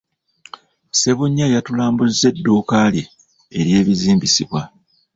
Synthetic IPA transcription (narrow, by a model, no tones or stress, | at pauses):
se̞βuɲːajatulaːmbuzze̞dːoːkalji | eɾje̞ːβiziːmbisiβwa